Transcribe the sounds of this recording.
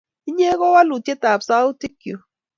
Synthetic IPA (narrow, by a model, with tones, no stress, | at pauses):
i˦ɲe˦ɣɔ˦wa˦lu˨tje˦ta˨psa˦u˦ti˦kjo˨